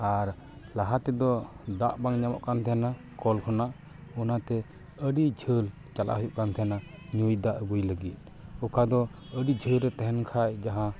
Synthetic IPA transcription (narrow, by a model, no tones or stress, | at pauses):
aɾ | laɦat̪ɛd̪ɔd̪aʔbaŋɲamɔ̰ʔkant̪ʰɛna | kɔlkʰɔnaʔ | ɔnat̪ɛ | əɖid͡ʒʱəl | t͡ʃalʔa̰ʔhujuʔkant̪ʰɛnaɲujd̪aʔəɡujləɡit̪̚ | ɔkad̪ɔ | əɖid͡ʒʱəlɾɛt̪ɛɦɛnkʰajd͡ʒaɦã